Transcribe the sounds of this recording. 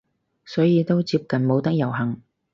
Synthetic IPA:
sɔː˨˥jiː˨˧t̪o˥wt͡siː˧p̚kɐ˨nmo˨˧wt̪ɐ˥k̚jɐ˨˩wɦɐ˨˩ŋ

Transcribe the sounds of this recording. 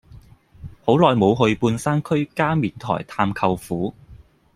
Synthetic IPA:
ho˨˥wlɔː˨jmo˨˧wɦɵ˧ɥpuː˧nsaː˥nkʰɵ˥ɥkaː˥miː˨nt̪ʰɔ̰ː˨˩jt̪ʰaː˧mkʰɐ˧wfuː˨˥

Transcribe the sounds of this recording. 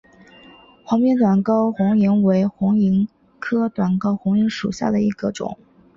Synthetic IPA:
xwɑ˧˥ŋpjɛ˥nt̪wa˨˩nkɑ˥ʊxʊ˧˥ŋi˧˥ŋwe˧˥ɪxʊ˧˥ŋi˧˥ŋ | kʰɤ˥t̪wa˨˩nkɑ˥ʊxʊ˧˥ŋi˧˥ŋʂṵ˨˩ɕja̰˥˩d̪ə˩i˧˥ɡ̥ə˧ʈ͡ʂʊ̰˨˩˦ŋ

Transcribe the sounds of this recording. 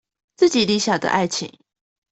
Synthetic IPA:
t͡sɹ̩˥˩t͡ɕi˨˩li˧˦ɕja˨˩d̪ə̰˦ʔa˥˩ɪt͡ɕʰḭ˨˩˦ŋ

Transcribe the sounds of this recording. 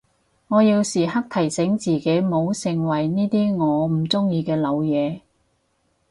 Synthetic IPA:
ŋɔː˨˧jiː˧wsiː˨˩ɦɐ˥k̚t̪ʰɐ˨˩jsɪ˨˥ŋt͡siː˨˧ke˨˥jmo˨˧wsɪ˨ŋwɐ˨˩jniː˥t̪iː˥ŋɔː˨˧m̩˨˩t͡sʊ˥ŋjiː˧kɛː˧lɐ˨˧wjɛː˨˧

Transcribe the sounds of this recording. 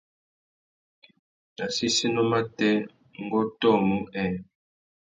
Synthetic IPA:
na˨si˦si˦nɔ˦ma˦tɛ˦ | ŋ˦ɡo˦tɔ˦˨mu˦ɛ˦˨

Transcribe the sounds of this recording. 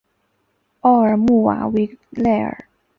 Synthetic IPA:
ɑ˥˩ə˞˨˩mu˥˩wa̰˨˩˥we˧˥lɛ˥˩ə̰˞˨˩˦

